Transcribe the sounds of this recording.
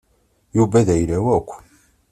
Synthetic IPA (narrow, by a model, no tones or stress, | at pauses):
jubæðæjlæwækʷː